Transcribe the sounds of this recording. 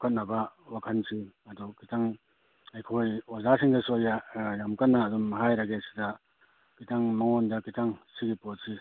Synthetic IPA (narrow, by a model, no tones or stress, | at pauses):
kʰat̚nabawakʰansʰiɐdɔkitaŋ | ajkʰojɔzasʰiŋdasojajamkanːaːdɔmːaɦajɾaɡesi̥da | kitaŋmaŋɔndakitaŋsiɡipɔt̚si